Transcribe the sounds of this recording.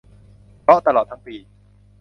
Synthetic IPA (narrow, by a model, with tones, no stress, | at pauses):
pɾɔ˦˥ʔt̪a˧lɔː˨˩t̪ʰa˦˥ŋpiː˧